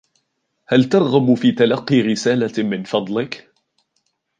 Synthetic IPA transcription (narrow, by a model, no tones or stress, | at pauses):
halt̪ɑɾˤɣamfiːt̪alɑqːiːɾɪsaːlamɪnfɑd̪ˤlɪk